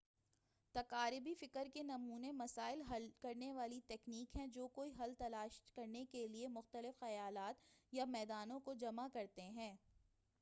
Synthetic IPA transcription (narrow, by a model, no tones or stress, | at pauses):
t̪ɐqaːɾɪbifɪkəɾkenɐmuːnemɐsaːɪlɦɐlkɐɾneʋaːlit̪ɛːkniːkɦɛ̃d͡ʒoːkoːiɦɐlt̪ɐlaːʃkɐɾnekeliemʊxt̪əlɪfxɐjaːlaːt̪jamɛːd̪aːnõkod͡ʒɐmakɐɾt̪eɦɛ̃ː